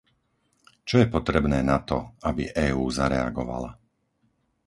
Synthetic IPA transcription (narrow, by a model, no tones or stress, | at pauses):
t͡ʃɔjɛpɔt̪ɾɛbnɛːnat̪ɔabiʔɛːuːzaɾɛ̰a̰ɡɔʋa̰la̰